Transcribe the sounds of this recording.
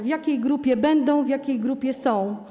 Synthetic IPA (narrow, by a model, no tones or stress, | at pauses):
vjakʲejɡɾupʲjɛbɛnd̪ɔ̃w̃vjakʲejɡɾupʲjɛsɔ̃w̃